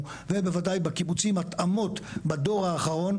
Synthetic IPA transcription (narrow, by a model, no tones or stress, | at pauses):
vebevadajbakibut͡simat̪ʔamo̞tbad̪o̞ʁaːχaʁo̞n